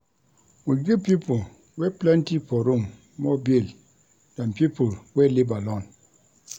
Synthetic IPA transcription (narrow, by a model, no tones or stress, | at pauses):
wiɡupipul | wɛplɛntipɔɾum | mɔbil | d̥ampipulwɛlibalɔn